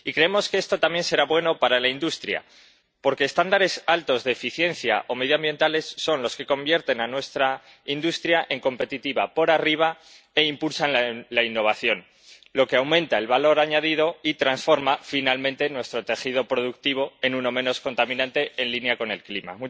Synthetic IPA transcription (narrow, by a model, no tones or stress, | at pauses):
ikɾe̞emo̞ske̞e̞st̪o̞t̪amje̞nse̞ɾaβwe̞no̞paɾalaind̪ust̪ɾja̰ | po̞ɾke̞ːst̪and̪aɾe̞salt̪o̞zðe̞ːfiθje̞nθja̰ʔo̞me̞ðjoambje̞nt̪ale̞sːo̞nlo̞ske̞ko̞mbje̞ɾt̪e̞nanwe̞st̪ɾa | ind̪ust̪ɾjaʔe̞ŋko̞mpe̞t̪it̪iβapo̞ɾariβ̞a | e̞impulsallainːo̞β̞aθjo̞n | lo̞ke̞awmẽ̞nt̪aelβalo̞ɾaɲaðið̞o̞it̪ɾansfo̞ɾmafinalmẽnt̪e̞nwe̞st̪ɾo̞t̪e̞xið̞o̞pɾo̞ð̞uk̚t̪iβ̞o̞e̞nũno̞mẽ̞no̞sko̞nt̪amĩnãnt̪e̞enlinjako̞ne̞lklima̰mu